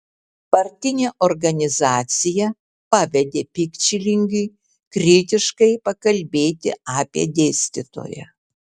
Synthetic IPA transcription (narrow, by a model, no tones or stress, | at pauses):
pɐɾʲt̪ʲɪnʲeːʔɔɾɡɐnʲɪzɑːt̪sʲɪjɛ | pɑʋʲɛd̪ʲeːpʲɪkʲt͡ʃʲɪlʲɪŋʲɡʲʊɪ | kɾʲɪt̪ʲɪʃkɐɪpɐkɐlʲbʲeːt̪ʲɪ̰ɑːpʲiɛ̰d̪ʲeːsʲt̪ʲɪt̪o̰ːjɛ̰